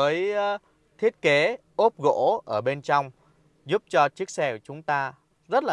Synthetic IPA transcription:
əː˨˦j | t̪ʰi˦˥ət̚ke˨˦ʔo˦˥p̚ɣo̰˧˥ʔəː˧˩ɓe˧nt͡ɕɔ˧wŋ͡m | zu˦˥p̚t͡ɕɔ˧t͡ɕɨ˦˥ək̚sɛ˧˩wt͡ɕʊ˨˦ŋ͡mt̪aː˧ | zə˦˥t̚laː˨˩

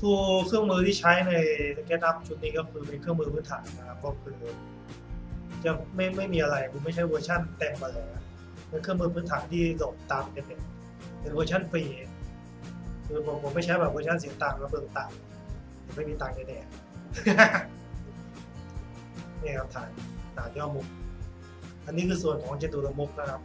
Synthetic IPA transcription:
t̪ʰuː˧kʰɯ˥˩əŋmɯː˧t̪ʰiː˥˩t͡ɕʰa˦˥jna˧jsa˧kɛː˦˥t̪̚la˦˥˩p̚t͡ɕu˨˩t̪̚niː˦˥˩kɔ˥˩kʰɯː˧miː˧nkʰɯ˥˩əŋmɯː˧pʰɯː˦˥nt̪ʰa̰ː˩˦na˧kʰa˦˥pʰɔː˧˥kʰɯː˧ | t͡ɕa˨˩ma˥˩jma˥˩jmiː˧ʔa˧ɾa˧jpʰu˧˦ma˥˩jt͡ɕʰa˦˥jwɤː˧t͡ɕʰa˥˩nt̪e˧mʔa˧lɤː˧ja˧˩ | pe˧nkʰɯ˥˩ŋmɯː˧pʰɯː˦˥nt̪ʰaː˩˦nt̪ʰiː˥˩lo˨˩m̚t̪aː˧mke˧˩e˧˩n | pe˧n˧ɤː˧t͡ɕʰa˥˩nfiː˧˨˩ | kʰɯː˧bo˧˩pʰo˨˦mːa˥˩t͡ɕʰjbɛː˨˩ʋɤː˧˦t͡ɕʰa˥˩ns̬i˩˦t̪aː˧˩mlaː˧˦˥mɤː˧ŋt̪aː˧˩ŋ˧ | t͡ɕa˨˩˦ma˥˩jmiː˧t̪aː˧ŋka˧˥ndɛː˧˩ | niː˥˩kʰa˦˥p̚t̪ʰaː˨˩nt̪ʰaː˨˩njɔː˥˧˩mu˨˩k̚ | ʔa˧nːiː˦˥kʰɯː˧su˨˩ənkʰɔː˨˩˦ŋt͡ɕa˧nduː˧˩ɾa˧mo˦˥p̚na˦˥kʰa˦˥p̚

